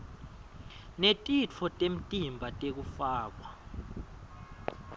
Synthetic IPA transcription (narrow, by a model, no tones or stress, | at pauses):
netʼit͡fʰɔtʼem̩tʼimbʱatʼek̬ufaːk̬wa